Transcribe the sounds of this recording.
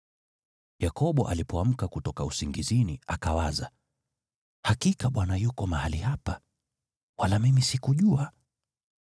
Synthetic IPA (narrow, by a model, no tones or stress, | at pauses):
jakɔɓɔʔalipɔam̩kakutɔkausiŋɡiziniakawaza | hakikaɓwanajukɔmahalihapa | walamimisikuʄua